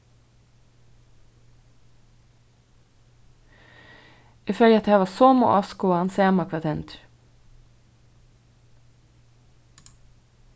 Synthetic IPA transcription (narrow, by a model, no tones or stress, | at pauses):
ɪføːljəɑt̪heːʋɑːsoːmo̰ːʔɑskʊoːhɑnseːmɑkʰʋɑt̪ʰɛnt̪ɾ